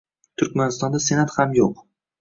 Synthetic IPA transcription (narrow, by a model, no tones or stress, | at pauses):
t̪ʰʊɾkʲmanɪst̪ɒnd̪ase̞nat̪hamjoq